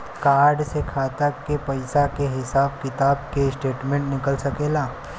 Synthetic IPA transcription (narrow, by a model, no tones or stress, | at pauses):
kaːɾɖsekʰaːt̪akepɐɪsakeɦɪsaːb̚kɪt̪aːbkeɪsʈeːʈmẽɳʈnɪkəlsɐkeːlaː